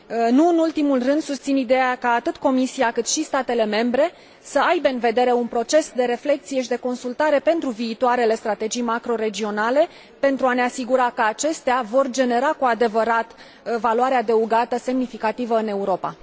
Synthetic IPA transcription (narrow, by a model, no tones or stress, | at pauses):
nuɨnult̪imulrɨnd̪sust̪sinid̪e̞jakaːt̪ɨt̪ko̞misiakɨt̪ʃist̪at̪e̞le̞me̞mbɾe̞ | səajbe̞ɨnve̞d̪e̞ɾe̞unpɾo̞t͡ʃe̞sd̪e̞ɾe̞fle̞k̚t̪sije̞ʃid̪e̞ko̞nsult̪aɾe̞pe̞nt̪ɾuviːt̪oaɾe̞le̞st̪ɾat̪e̞d͡ʒijmakɾo̞ɾe̞d͡ʒio̞nale̞ | pe̞nt̪ɾuane̞asiɡuɾakəat͡ʃe̞st̪eavo̞rd͡ʒe̞ne̞ɾakuad̪e̞vəɾat̪ | valuaɾead̪e̞uɡat̪əse̞mnifikat̪ivəɨne̞uɾo̞pa̰